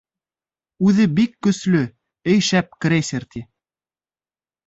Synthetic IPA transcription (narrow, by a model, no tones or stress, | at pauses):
ʉðɘbikːɵ̆slɵ | ɘ̆jʃæp̚krʲesʲeɾt̪ʲʰi